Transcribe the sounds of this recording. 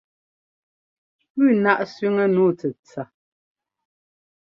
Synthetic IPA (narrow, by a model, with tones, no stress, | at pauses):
pʉː˦˨na˦ʔsɥi˦ŋə˦nuː˦˨t͡sɛ˨t͡sa˨